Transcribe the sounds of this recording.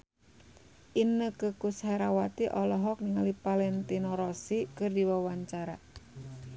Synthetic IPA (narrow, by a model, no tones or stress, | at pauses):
ʔinəkəkusheɾawat̪iʔɔlɔɦɔk̚niŋalipalɛnt̪inɔɾɔsikɨrdiwawaɲt͡ʃaɾa